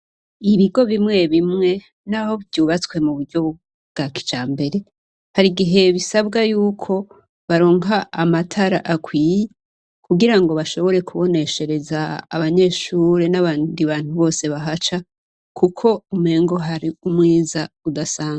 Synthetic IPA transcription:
iβiɡo̞βimŋe̞βimŋe̞ | naho̞βvjuːβat͡swe̞muβuɾɟo̞β | ɡ̥aki̥t͡ʃaːmbe̞ɾe̞ | haɾiɡiɦe̞βisaβɡajuːkʰo̞ | βaɾo̞ːŋaːmatʰaɾa̰ʔakwiːje | kuɡiɾaŋɡo̞βaʃo̞βo̞ɾe̞kuβo̞ne̞ʃe̞ɾe̞za̰ːβaɲe̞ːʃuːɾe̞naβaːndiβaːn̥huβo̞ːse̞βaɦat͡ʃa | kʰukʰo̞umhe̞ːŋɡo̞ɦaɾiumŋiːzaudasaːŋa

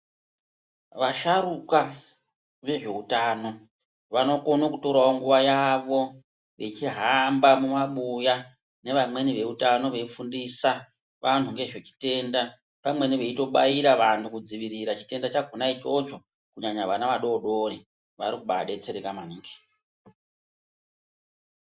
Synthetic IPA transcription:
ʋaʃaɾuka | ʋe̞ʐe̞utaːno̞ | ʋano̞ko̞nokuto̞ɾaoŋɡuʋajaʋo̞ | ʋet͡ʃiɦambamumaɓuja | ne̞ʋamwe̞niʋe̞utano̞ʋe̞fundisa | ʋʔan̤uŋɡe̞ʐet͡ʃi̥te̞ːnda | pamwe̞niʋe̞ito̞ɓaiɾaʋantʰukud͡ziʋiɾiɾat͡ʃi̥te̞ndat͡ʃaɡʱonait͡ʃo̞t͡ʃo̞ | kuɲaɲaʋanaʋaɗo̞ɗo̞ɾi | ʋaɾikuɓa̰ɗe̞t͡seɾekamaniːŋɡe̥

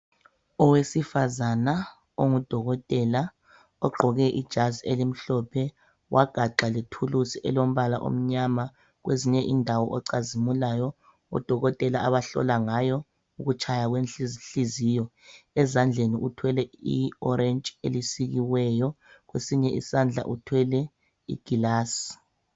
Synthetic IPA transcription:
ɔwesifazana | oŋud̥ʱɔɣɔtʼɛla | ɔɡ͡ǃʱɔɣɛʔid̥ʒ̥ʱazielim̩ɬɔpʰɛ | wʔaɡ̥ʱaǃalitʰulusiʔɛ̰lom̩βalaʔo̰m̩ɲama | ɣweziɲɛʔindʱawɔʔɔǀazimulajɔ | ɔ̰d̥ʱɔɣɔtʼɛlaaβaɬɔ̰laŋajɔ | uɣut͡ʃʰajaɣwenɬiziːjɔɛzand͡ɮʱeniʔutʰwɛlɛḭɔɾɛnt͡ʃʼelisiɣiwɛjɔ | ɣwesiɲɛʔḭsand͡ɮʱa̰ʔutʰwɛlɛ | ḭɡ̥ʱilaːsi

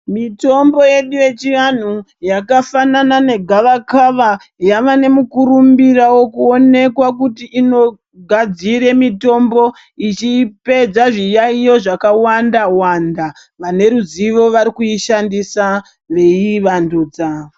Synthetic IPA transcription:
mito̞mbo̞je̞ɗuje̞t͡ʃiʋan̤u | jakafananane̞ɡʱaʋakaʋa | jaʋane̞mukuɾumbirawo̞kuone̞kwakutiʔːno̞ | ɡʱad͡ziɾe̞mito̞mbo̞ | it͡ʃipe̞d͡zaʐijaijo̞ʐakawandawanda | ʋane̞ɾuziʋo̞ʋaɾikuiʃandisa | ʋe̞iʋanduːd͡za

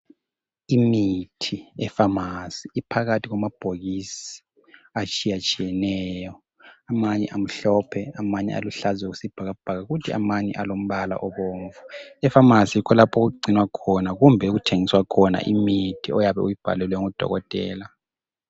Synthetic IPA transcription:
imitʰiɛfamasiːpʰaɣatʰiɣwamab̥ʱoɣisi̥ | at͡ʃʼijat͡ʃʼijɛnɛːjɔ | amaɲɛ̰ʔam̩ɬɔpʰɛamaɲɛ̰a̰luɬazwɛɣusib̥ʱaɣab̥ʱaɣaɣutʰia̰maɲɛ̰ʔalom̩βala̰ʔɔβoːɱvuɛfamasiikʰɔlapʰɔɣuɡ͡ǀʱinwakʰɔnaɣumbʱɛuɣutʰeŋiswakʰɔna̰ʔimitʰiɔjaβɛ̰ujib̥ʱa̰lɛlwɛŋud̥ʱɔ̰ɣɔtʼɛ̰ːla

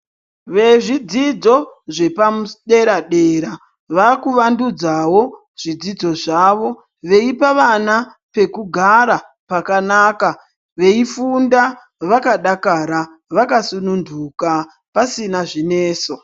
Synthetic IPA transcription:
ʋe̞ʐid͡zid͡zo̞ʐe̞pamuɗe̞ɾaɗe̞ɾa | ʋakuʋandud͡zawo̞ | ʐ̥id͡zid͡zo̞ʐaːʋo̞ | ʋe̞ipaʋana | pe̞kuɡʱaɾa | pakanaːka | ʋe̞ifunda | ʋakaɗakaɾa | ʋakasununduka | pasinaʐine̞ːso̞

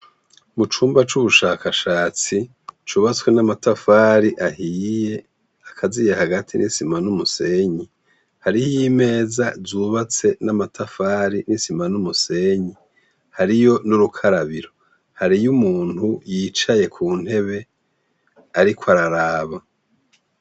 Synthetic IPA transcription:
mut͡ʃuːmbat͡ʃuβuʃaːkʰaʃaːt͡si | t͡ʃuːβat͡swenamatafaːɾiʔahiːje̞ | akʰazijehaɡatʰinʔisimanumuse̞ɲi | haɾihijime̞ːzazuːβat͡se̞namatʰafaːɾinisimanumuse̞ɲi | haɾijo̞nuɾukʰaɾaβiɾo̞ | haɾijumuːn̥hujiːt͡ʃaje̞kʰuːn̥he̞βe̞ | aɾikʰwaɾaɾaːβa

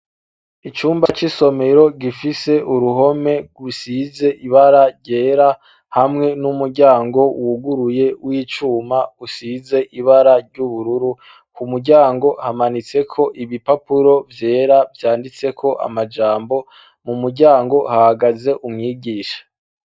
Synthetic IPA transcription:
it͡ʃuːmbat͡ʃiso̞me̞ɾo̞ɡifise̞ʔuɾuɦo̞me̞ɡusize̞ʔiβaɾaɾɟe̞ːɾa | hamŋe̞numuɾɟaːŋɡo̞wuɡuɾuje̞wiːt͡ʃuːmausize̞ʔiβaɾaɾɟuβuɾuɾu | kumuɾɟaːŋɡo̞hamanit͡se̞kʰo̞ʔiβipapuɾo̞vje̞ːɾavjaːndit͡se̞kʰo̞ʔa̰mad͡ʒaːmbo̞ | mumuɾɟaːŋɡo̞hahaɡaze̞ʔumŋiːɡiːʃḁ

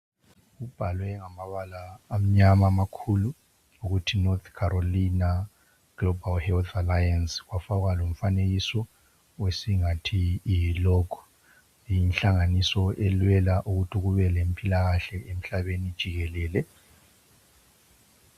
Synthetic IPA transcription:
ɣub̥ʱalwɛŋamaβalaːm̩ɲamaːmakʰulu | uɣutʰinɔt̪ʰkʰaɾolina | ɡ̥lɔbʱalhɛlt̪ʰalajansɣwafaɣwalom̩faneɣisɔ | wesiŋatʰiːjlɔɡʰʱɔ̥ | jinɬaŋanisɔʔɛlwɛlaʔuɣutʰiɣuβɛlempʼilaɣaɬɛʔem̩ɬaβenid̥ʒ̥ʱiɣɛlɛːlɛ

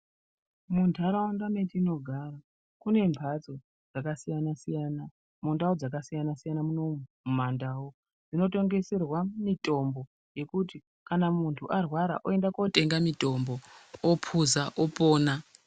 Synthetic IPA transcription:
mundʰʱaɾawandame̞tiːno̞ɡʱaːra | kune̞mpʰat͡so | d͡zakasijanasijaːna | mundaod͡zakasijanasijanamuno̞ | mandaːwo | d͡zino̞to̞ŋɡe̞se̞rwamitʼo̞mbo̞ | je̞kuti | kanamuntʰuʔarwaɾa̰ʔoe̞ndako̞te̞ŋɡamito̞mbo̞opʰuzaʔopo̞ːna

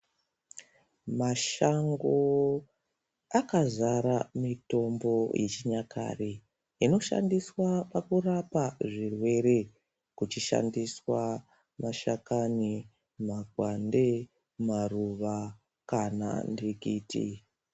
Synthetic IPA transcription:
maʃaŋɡo̞ | akazaɾamito̞mbo̞jʔe̞t͡ʃiɲakʰa̰ri | ino̞ʃa̰ndiswapakurapaʐirwe̞ɾe̞ | kut͡ʃiʃa̰ndiswa | maʃakani | maɡʱwande̞ | maruʋa | kana̰ndikiːtḭ

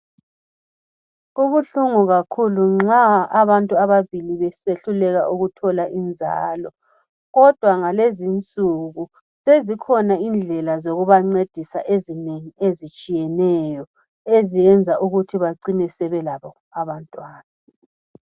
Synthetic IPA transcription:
uβuɬuŋuɣakʰuluŋ͡ǁaaβantʼuaβaβiliβɛseɬulɛɣaʔuɣutʰɔlaʔind͡zʱa̰ːlɔ | ɣɔd̥ʱwaŋalezint͡sʼuɣu | sezikʰɔnaind͡ɮʱɛlazoɣuβaŋ͡ǀed̥ʱisaʔezineŋiezit͡ʃʼijɛnɛjɔ | ezijɛnd͡zʱaʔuɣutʰiβaǀinɛsɛβɛlaβɔ | aβantʼwaːna

